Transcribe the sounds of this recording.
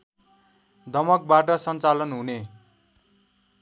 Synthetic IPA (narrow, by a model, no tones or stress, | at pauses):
d̪ʱʌmʌk̚baʈʌsʌnt͡salʌnɦune